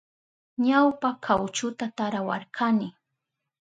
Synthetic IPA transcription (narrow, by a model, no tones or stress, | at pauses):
ɲawpakʰawt͡ʃʊt̪at̪aɾawa̰ɾkʰanɪ